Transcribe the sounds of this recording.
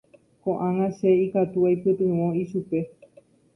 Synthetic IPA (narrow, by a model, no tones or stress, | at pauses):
kõʔãŋãʃeikat̪uajpɨt̪ɨ̃wõiʃupe̞